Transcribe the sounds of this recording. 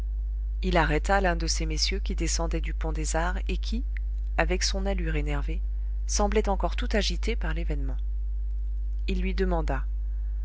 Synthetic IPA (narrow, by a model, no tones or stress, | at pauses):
ilaʁɛt̪alɛ̃d̪əsemesjøkʲid̪esɑ̃d̪ɛd̪ypɔ̃d̪ezaʁekʲʰi | avɛksɔ̃nalyʁenɛʁve | sɑ̃blɛt̪ɑ̃kɔʁt̪ut̪aʒit̪epaʁlevɛnmɑ̃ | ilːɥid̪əmɑ̃d̪a